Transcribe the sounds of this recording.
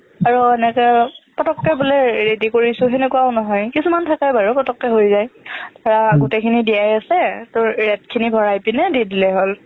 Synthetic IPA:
aɹuɛnɛkɛpɔtɔkːɛbuleɹedikoɹisʊɦɛnɛkuaʊnɔɦɔjkisumantʰakajbaɹupɔtɔkːɛɦojzajtaɹaɡutekʰinidijajasɛtʊɹːɛtkʰinibʱɔɹajpinɛdidilɛɦol

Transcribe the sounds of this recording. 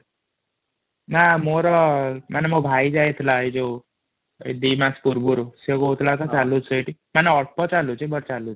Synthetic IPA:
namoɾɔmanɛmobʱajd͡zajt̪ʰlaid͡ʒo | ḛd̪imakspuɾbuɾuseɡoɦut̪ʰlat̪at͡salut͡səjʈimanɛɔʈpɔt͡salut͡ʃebʌɾt͡salu

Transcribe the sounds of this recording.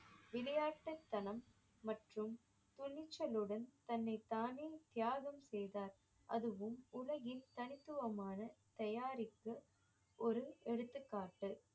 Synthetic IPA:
ʋɪlɐjaːʈːɐt̪ːɐnɐmː | ɐʈrɯm | t̪ʊɭːɪt͡ʃːɐlɯɽɐnt̪ɐnːɐɪt̪aːneːt̪ɪjaːɣɐmsɛjðaːɾ | ʔɐðɯʋɯmʊlɐɣɪlt̪ɐnɪt̪ːɯʋɐmaːnɐt̪ɐjaːɾɪkːɯ | ʔɔɾɯɛɽɯt̪ːɯkːaːʈːɯ

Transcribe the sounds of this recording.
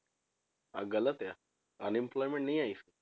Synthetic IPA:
a̰ɡələt̪ja | ənimplɔjmẽɳʈnijaise

